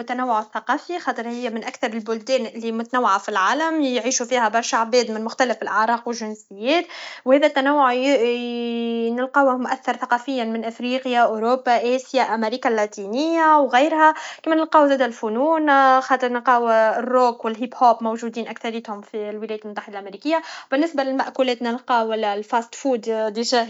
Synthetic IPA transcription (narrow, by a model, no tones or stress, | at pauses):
wʊt̪ːænæwːʊʕθːaqɑːfixɑːt̪ˤɨɾhɪjːæmɪnʔækθɑɾˤɪlbʊld̪ɛːnɪlːimʊt̪ænæwːaʕafilʕaːlæmjʕiːʃufiːhæbɑɾˤʃaʕbɛːd̪mɪnmʊxt̪ælɪfɪlʔaʕɾˤɑːqwɪlʒɪnsɪjːɛːt̪whɛːðæt̪ːænæwːʊʕ | nɪlqɑːwmʔæθːɑɾˤθɑqɑːfɪjːanmɪnʔɪfɾiːqjaʔoɾoːbːaʔæːsjaʔæmeɾiːkalːat̪iːnɪjːawɣæːɾhækɛːmænɪlqɑːwzæːd̪ælfʊnuːnxɑːt̪ˤɨɾˤnɪlqɑːwrˤːoːkwɪlɦiːphoːpmowʒud̪iːnʔækθɑɾjət̪hʊmfilwɪlɛjæt̪lmʊt̪ːaħɪd̪alʔæmeɾiːkɪjːabɪnːɪsbalɪlmaʔkuːlɛːt̪nɪlqɑːwælːlfast̪fuːd̪d̪iʒæ